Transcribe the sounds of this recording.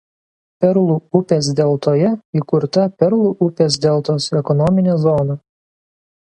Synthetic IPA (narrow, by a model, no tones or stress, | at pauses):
pʲɛɾlˠuːʊpʲeːs̬d̪ʲɛlˠt̪oːjɛikʊɾt̪ɐpʲɛɾlˠuʔʊpʲeːs̬d̪ʲɛlˠt̪oːsɛkɔnɔmʲɪnʲezɔnɐ